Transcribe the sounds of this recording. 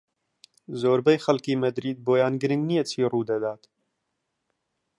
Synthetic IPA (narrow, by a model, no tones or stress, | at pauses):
zoːɾbɛjxɐlkiːmɐd̪ɾiːd̪̚boːjaːnɡɨɾɨŋɡnijɛt͡ʃʰiːruːd̪ɐd̪aːt̪